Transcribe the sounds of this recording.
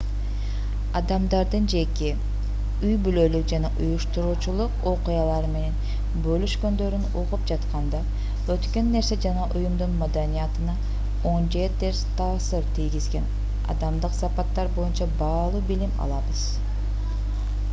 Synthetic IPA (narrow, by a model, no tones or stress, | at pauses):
ɑd̪ɑmd̪ɑɾd̪ɯnd͡ʒe̞ke | yjbylø̞lyk̚d͡ʒɑnɑʔujuʃt̪uɾuːt͡ʃulˠuqo̞qujɑlˠɑɾɯme̞ne̞n | bø̞lyʃkø̞nd̪ø̞ɾynuʁup̚d͡ʒɑt̪qɑnd̪ɑ | ø̞t̪kø̞nːe̞ɾse̞d͡ʒɑnɑʔujumd̪unmad̪anijɑt̪ɯnɑ | o̞nd͡ʒe̞t̪eɾst̪ʰɑːsɯɾt̪ʰijɡizɡe̞n | ɑ̰d̪ɑmd̪ɯqsɑpɑt̪ːɑɾbo̞junt͡ʃɑbɑːlˠubilimɑ̰lˠɑβɯz̥